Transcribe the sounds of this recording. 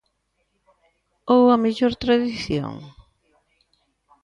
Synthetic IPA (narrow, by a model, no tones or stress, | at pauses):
owɐmeʎoɾt̪ɾaðiθjo̰ŋ